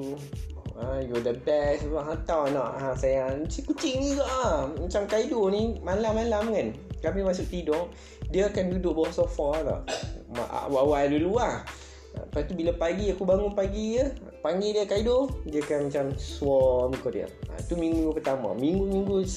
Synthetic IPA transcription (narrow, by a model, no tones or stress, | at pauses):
ajɔdəbɛsaʔɦat̪awnɔ̰ʔasajasikut͡ʃiŋniɡaʔamat͡ʃamkaidonĩmalamalamkankamimasʊʔ̚t̪idɔʔ | diəːkandudʊʔbsɔfanɔ̰ʔma̰ʔa̰ʔwawadulua | a̰pat̪ubilapaɡiakubaŋʊnpaɡiə | paŋɡidiəkaidodiəakanmat͡ʃamsuɔmikɔʔdiə̰a̰it̪umĩŋɡumiŋɡupət̪ama̰miŋɡumĩŋɡu